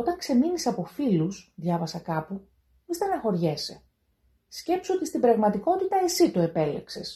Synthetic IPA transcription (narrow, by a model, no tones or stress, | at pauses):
ot̪ɐŋkse̞minisɐpo̞filusðʝɐvɐsɐkɐpu | ist̪enɐxo̞ɾʝese | sce̞psot̪ist̪ibɾɐɣmɐt̪iko̞t̪it̪ɐe̞sit̪oe̞pe̞le̞̰kse̞s